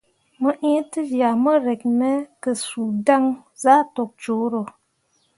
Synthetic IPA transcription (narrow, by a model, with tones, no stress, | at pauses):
mə˦ʔĩ˦tə˦ja˨mə˦ɾɛ˨k̚nɛ˦kə˨su˨da˦ŋza˦tɔ˨k̚t͡ʃo˨˦ɾo˨